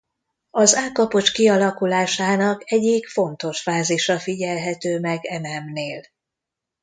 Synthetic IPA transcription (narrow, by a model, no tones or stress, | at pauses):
ɒzaːkɒpo̞t͡ʃkiɒlɒkulaːʃaːnɒkɛɟikfo̞nt̪o̞ʃfaːziʃɒfiɟɛlɦɛt̪øːmɛɡɛmɛmneːl